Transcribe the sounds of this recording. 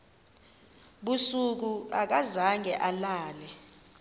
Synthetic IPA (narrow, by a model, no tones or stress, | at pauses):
ɓusuk̬uak̬azaŋɛʔalaːlɛ